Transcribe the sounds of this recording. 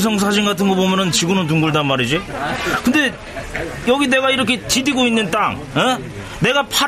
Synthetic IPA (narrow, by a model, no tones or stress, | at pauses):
s̬ʰʌŋs̬ʰad͡ʑinɡatʰɯnɡʌbomjʌnɯnt͡ɕiɡɯnɯntuŋɡuɭdanmaɾid͡ʑikɯnde̞ | jʌɡine̞ɡaiɾʌkʰe̞tidiɡoinːɯnt͈aŋ | e̞ | ne̞ɡapʰa